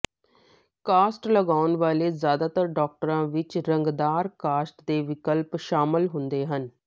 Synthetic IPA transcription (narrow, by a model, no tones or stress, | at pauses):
kaːsʈləɡaːʊnʋaːleːzjaːd̪aːt̪əɾɖɔːk̚ʈəɾãːʋɪt͡ʃɾəŋɡd̪aːɾkaːsʈd̪eːʋɪkəlpʃaːmɪlɦʊnd̪eːɦən